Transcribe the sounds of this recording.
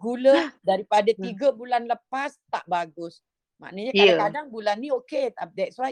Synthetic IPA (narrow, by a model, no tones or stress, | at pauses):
ɡulədaɾipadat̪iɡəbulanləpast̪a̰ʔbaɡʊs | ma̰ʔnəɲakadaŋkadaŋbulanːĩoket̪ad̪ɛtswaj